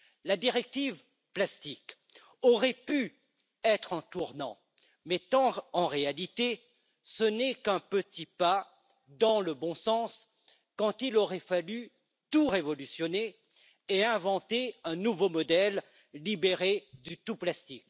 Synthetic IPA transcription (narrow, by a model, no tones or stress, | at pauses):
lad̪iʁɛk̚t̪iv | plast̪ik | ɔʁɛpy | ɛt̪χɑ̃t̪uʁnɑ̰̃ | mɛt̪ɑ̃ɑ̃ʁealit̪e | sənɛkɛ̃pət̪ipa | d̪ɑ̃ləbɔ̃sɑ̃s | kɑ̃t̪ilɔʁɛfaly | t̪uʁevɔlysjɔne | eɛ̃vɑ̃t̪eɛ̃nuvomɔd̪ɛlː | ibeʁed̪yt̪uplast̪ik